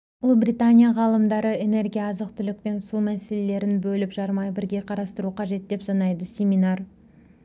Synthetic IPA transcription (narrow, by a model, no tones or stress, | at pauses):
ʊlˠbrit̪anʲijaʁɑlˠəmd̪ɑɾəe̞ne̞rɡʲijaɑzəqt̪ʰʏlɪk̚ʲpe̞nsumæse̞le̞le̞ɾɪnbɵlɪpʒɑɾmɑjbɪɾɡʲe̞qʰɑɾɑst̪əɾuqʰɑʒe̞t̪̚d̪e̞psɑnɑjd̪əsʲe̞minar